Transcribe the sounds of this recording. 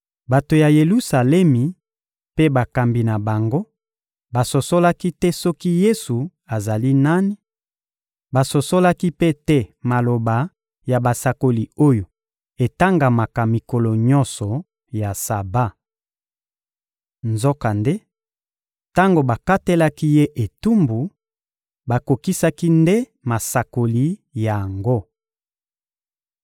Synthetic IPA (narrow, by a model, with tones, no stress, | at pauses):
ba˨to˨ja˨je˨lu˦sa˨lɛ˦mi˨ | pe˦ba˨ka˨mbi˨na˨ba˨ŋɡo˦ | ba˨so˨so˦la˦ki˦tɛ˦sɔ˦ki˦je˦su˨ | a˨za˨li˦na˦ni˦ | ba˨so˨so˦la˦ki˦pe˦tɛ˦ma˨lo˨ba˨ | ja˨ba˨sa˨ko˨li˨o˦jo˨ | e˨ta˦ŋɡa˨ma˨ka˨mi˨ko˨lo˨ɲɔ̃˦nsɔ˨ | ja˨sa˨ba˦ | nzo˦ka˨nde˦ | ta˦ŋɡo˨ba˨ka˦te˦la˦ki˦je˦ʔe˨tu˦mbu˨ | ba˨ko˨ki˦sa˦ki˦nde˦ | ma˨sa˨ko˨li˨ja˨ŋɡo˦